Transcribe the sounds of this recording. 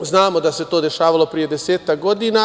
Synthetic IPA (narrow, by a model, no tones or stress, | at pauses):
znaːmod̪ase̞t̪o̞ːd̪e̞ʃaːʋalˠo̞pɾije̞d̪eseːt̪ak̚ɡo̞d̪ina